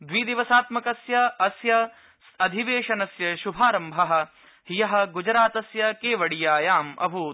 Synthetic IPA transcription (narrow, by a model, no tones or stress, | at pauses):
d̪ʋiːd̪iʋɐsaːt̪mɐkɐsjɐɐsjɐ | ɐd̪ʱiʋeːʂɐnɐsjɐʃubʱaːɾɐmbʱɐɦɐ̆ | hijɐɦɐ̆ɡud͡ʒɐɾaːt̪ɐsjɐkeːʋɐɽijaːjaːmɐ̰bʱu